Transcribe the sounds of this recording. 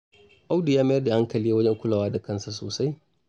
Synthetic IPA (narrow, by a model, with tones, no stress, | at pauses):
ʔa˦wdi˨jaː˦ma˦jɐ˦da˨ʔa˦ŋkɐ˨liː˦wɐ˦d͡ʒɛ˦ŋkʷʊ˦laː˨waː˦da˨kɐ˦˨nsa˨soː˨sa˦j